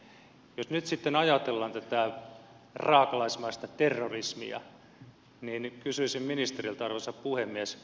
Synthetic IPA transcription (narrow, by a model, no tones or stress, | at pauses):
josnyt̪sit̪ːenɑjɑt̪elːɑnt̪æt̪æ | rɑːkɑlɑismɑist̪ɑt̪erːorismḭɑ̰ | niːnkysyisimminist̪erilt̪ɑrʋesɑppuhemːiæs